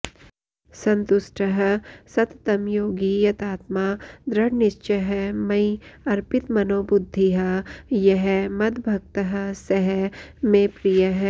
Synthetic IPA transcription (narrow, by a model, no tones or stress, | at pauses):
sɐ̃nt̪ʊʃʈʰɐɦɐ̆sɐt̪t̪ɐmjoːɡijɐt̪aːt̪maːd̪ɾɐɽnɪʃt͡ʃɐɦɛmɐiɐɾpɪt̪mɐnoːbʊd̪ʱːiɦɐjɐɦɛmɐd̪ʱbʱɐk̚t̪ɐɦə̆sɐɦɛmẽpɾijɐɦ